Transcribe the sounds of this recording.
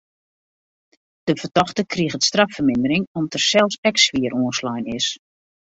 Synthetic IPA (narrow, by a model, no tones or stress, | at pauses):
d̥əvərtɔxtəkriəɣətstrafərmɪndəɾɪŋɔmtərsɛlˠfsɛksʋiəɾʔuənslɔjnɪs